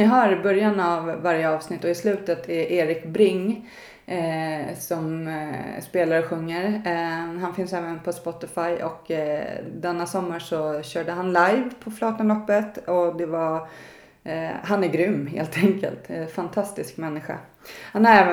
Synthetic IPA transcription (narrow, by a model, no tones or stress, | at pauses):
ɪɦœɾɪbœɾjanavːaɾjəɑːvsnɪt̪ːɔɪslʉ̟ːt̪ət̪ʰæʔeːɾɪkbɾɪŋː | sɔm | speːlaɾɔɧɵŋːəɾ | ɦanfɪnsɛːvənpʰɔspɔt̪ɪfajʔɔk | d̪ɛnːasɔmːaʂɔɕœːɖəɦanlajvpʰɔflɑːt̪ənlɔpːət̪ɔd̪ɛva | ɦanæɾɡɾʏmːɦḛːlt̪ʰɛŋkə̰lt̪fant̪ʰast̪ɪskmɛnːɪɧa̰ | hanæɾɛːvə